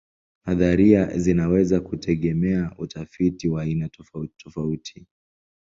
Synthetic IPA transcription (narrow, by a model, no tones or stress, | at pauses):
haðaɾiazinawɛzakutʰɛɠɛmɛaʔutʰafitiwaːinatɔtʰɔfautʰi̥